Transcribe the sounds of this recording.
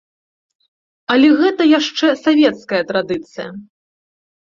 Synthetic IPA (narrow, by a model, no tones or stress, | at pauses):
ɐlʲɛɣɛt̪ɐjaʂt͡ʂɛsavʲɛt̪skɐjɐt̪ɾad̪ɨt̪sɨjɐ̰